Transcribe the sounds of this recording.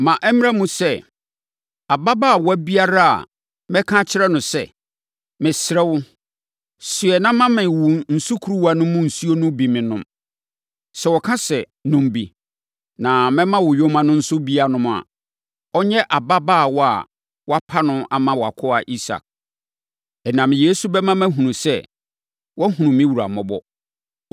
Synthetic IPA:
mã˨ʔɛ˦m˦a˦mũ˨sɛ˦˨ | a˨ba˦baː˦˨wɔ˦æ˦bi˦a˦ɾa˦a̰˨ | mɛ̃˦kʰã˦t͡ɕʰɪ˦ɾɛ˦nʊ̃˨sɛ̰˨ | mɪ̃˨sɾɛ˦wʊ˦ | sɪ˨ɛ˨nã˦mã˦mɪ̃˨wu˨n̩˨su˦kʰu˨ɾu˦wa˨nʊ̃˦mʊ̃˦n̩˨su˦o˦nʊ̃˦bi˨mɪ̃˨nʊ̰̃˦m | sɛ˨wɔ˨kʰã˦sɛ˨ | nʊ̃˨m˨bḭ˨ | nã˨mɛ̃˦mã˦wʊ˨jo˦mã˨nʊ̃˦n̩˦sʊ˦bi˦a˨nʊ̃˦m̃˨a̰˨ | ɔ˦ɲɛ̃˦ʔa˨ba˦baː˦˨wɔ˦a̰˨ | wɔ˦a˦pʰa˦nʊ̃˦a˨mã˦wɔ˨a˨kʰɔ˦a˨ʔi˦sa̰˨k̚ | ɛ˨nã˨m˨je˦su˨bɛ˦mã˦mɛ̃˦ɦũ˨nũ˨sɛ˦˨ | wɔ˦ɦũ˨nũ˨mɪ̃˦wu˨ɾa̰˨mɔ̃˨bɔ̰˦

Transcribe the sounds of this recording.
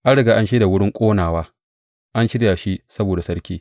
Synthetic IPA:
ʔa˦ɽɪ˨ɡaː˨ʔa˦nʃeː˦da˨wʊ˦ɽɪ˦ŋkʷʼoː˦naː˨waː˦ | ʔa˦nʃɪ˦ɽjaː˨ʃi˦sɐ˦boː˨da˨sɐ˦ɽkʲiː˦

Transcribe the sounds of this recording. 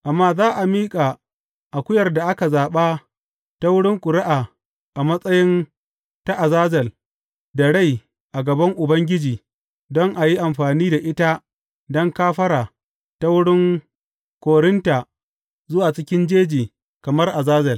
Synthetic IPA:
ʔa˨mːaː˦zaː˦ʔa˨miː˦kʼa˨ | ʔa˨kʷʊ˦jɐ˨rda˨ʔa˦ka˨zaː˨ɓa˦ | ta˦wʊ˦ɽɪ˦ŋkʷʼʊ˨ɽɪ˦ʔaː˨ | ʔa˨mɐ˦sʼɐ˦jɪ˦n | ta˦ʔa˨zaː˦zɐ˨l | da˨ɽa˦˨j | ʔa˨ɡɐ˨bɐ˦ŋʔʊ˨bɐ˦ŋɡʲɪ˦d͡ʒiː˨ | dɔ˦ŋʔa˨ji˦ʔa˨mɸaː˨niː˦da˨ʔɪ˦ta˦ | dɔ˦ŋkaː˦ɸɐ˦ɾaː˨ | ta˦wʊ˦ɽɪ˦ŋ | kʷoː˨ɽɪ˦nta˨ | zʊ˦waː˨t͡ʃɪ˦kʲɪ˦nd͡ʒeː˦d͡ʒiː˨ | kɐ˨mɐ˦rʔa˨zaː˦zɐ˨l

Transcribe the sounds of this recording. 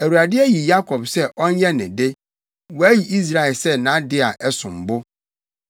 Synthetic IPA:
æ˨wu˨a˨dɪ˦ɛ˦ji˨ja˦kʰɔ˨bsɛ˦ʔɔ̃˦n˦ɲɛ˦nɪ̃˨de˦ | wɔ˨æ˦ji˨ʔi˦s̬ɾa˨ɛ˨lsɛ˦nã˨˦dɪ˦a˨ʔɛ˦sʊ̃˨m˨bʊ˦

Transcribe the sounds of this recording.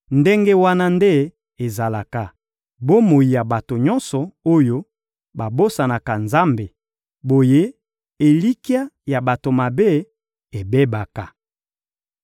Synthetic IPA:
nde˦ŋɡe˦wa˦na˦nde˦ | e˨za˨la˨ka˨ | bo˦mo˨ji˨ja˨ba˨to˨ɲɔ˦nsɔ˨o˦jo˦ | ba˨bo˦sa˨na˨ka˨nza˦mbe˨ | bo˨je˦ | e˨li˦ki˦a˦ja˨ba˨to˨ma˨be˦ | e˨be˦ba˨ka˨

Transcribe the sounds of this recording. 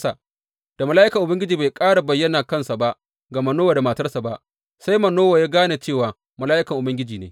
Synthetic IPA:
sa˨ | d̥a˨mɐ˨la˦ʔɪ˦kɐ˨ʔʊ˨bɐ˦ŋɡʲɪ˦d͡ʒiː˨ba˨jkʼaː˦ɽa˨bɐ˨jːɐ˦naː˨kɐ˦˨nsa˨ba˦ʔ | ɡɐ˨ma˦noː˦waː˨da˨ma˨tɐ˦rsa˨ba˦ʔ | sa˦jmɐ˨noː˦wa˨jaː˦ɡaː˦na˨t͡ʃeː˦˨waː˨ | mɐ˨laː˦ʔɪ˦kɐ˨ŋʔʊ˨bɐ˦ŋɡʲɪ˦d͡ʒiː˨neː˦

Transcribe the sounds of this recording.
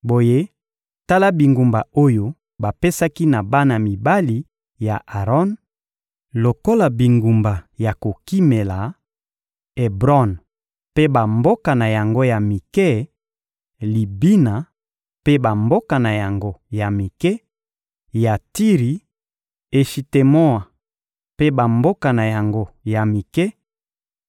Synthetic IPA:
bo˨je˦ | ta˦la˦bi˨ŋɡu˨mba˨o˦jo˦ | ba˨pe˦sa˦ki˦na˨ba˦na˨mi˨ba˦li˨ | ja˨ʔa˨ʁɔ˦n | lo˨ko˦la˨bi˨ŋɡu˨mba˨ja˨ko˨ki˦me˨la˨ | e˨bʁɔ˦˨n | pe˦ba˨mbo˦ka˨na˨ja˨ŋɡo˦ja˨mi˨kɛ˦ | li˨bi˦na˨ | pe˦ba˨mbo˦ka˨na˨ja˨ŋɡo˦ja˨mi˨kɛ˦ | ja˨ti˦ʁi˨ | e˨ʃi˨te˨mo˦a˨ | pe˦ba˨mbo˦ka˨na˨ja˨ŋɡo˦ja˨mi˨kɛ˦

